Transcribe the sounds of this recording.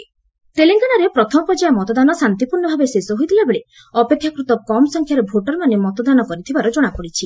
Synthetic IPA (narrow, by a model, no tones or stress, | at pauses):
teleŋɡanaɾepɾɔt̪ʰɔmɔpɔd͡ʒajemɔt̪ɔd̪anɔsant̪ipuɾnɔbʱabesesɔɦojt̪ʰilabeɭe | ɔpekʰːjakɾut̪ɔkɔmɔsɔŋkʰjaɾebʱoʈɔɾmanemɔt̪ɔd̪anɔkɔɾit̪ʰibaɾɔd͡ʒoɽ̃akɔɽit͡ʃʰi